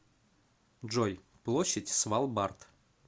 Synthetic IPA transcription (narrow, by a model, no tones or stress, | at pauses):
ʐoj | plˠoɕːətʲsvalˠbart̪